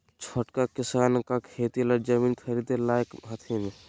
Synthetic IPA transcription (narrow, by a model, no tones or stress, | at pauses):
t͡ʃʰoʈkakɪsaːnkakʰeːt̪ilɐɾd͡ʒɐmiːnkʰɐɾid̪elaːjkɦət̪ʰemẽ